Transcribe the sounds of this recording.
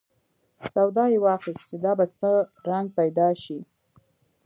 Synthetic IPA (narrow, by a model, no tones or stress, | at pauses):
sawd̪ɑjewɑxist͡ʃed̪ɑbasəɾaŋɡ̚pajd̪ɑʃi